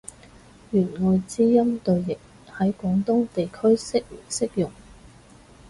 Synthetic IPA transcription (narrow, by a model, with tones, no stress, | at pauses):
jyː˨˩nŋɔː˨˧jt͡siː˥jɐ˥mt̪ɵ˨ɥjɪ˨˩k̚ | hɐ˨˥jkʷɔː˨˥ŋt̪ʊ˥ŋt̪e˨jkʰɵ˥ɥsɪ˥k̚sɪ˥k̚jʊ˨˩ŋ